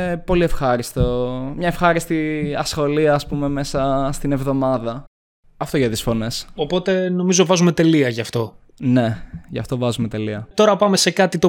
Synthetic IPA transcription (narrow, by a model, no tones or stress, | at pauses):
po̞lie̞fxɐɾist̪omɲɐefxɐɾist̪iɐsxo̞liɐːspume̞me̞sɐst̪inevðo̞mɐðɐ | ɐft̪oʝɐt̪isfo̞ne̞sopo̞t̪e̞no̞mizo̞vɐzume̞t̪e̞liɐʝɐft̪o̞ | ne̞ʝɐ̰ft̪o̞vɐzume̞t̪e̞liɐt̪o̞ɾɐpɐme̞sekɐt̪it̪o